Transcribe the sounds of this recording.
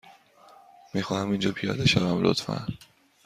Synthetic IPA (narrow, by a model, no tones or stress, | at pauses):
miːxɒːhæmind͡ʒɒːpʰijɒ̰ːd̪eʃævæmlʔo̰t̪fæ̰n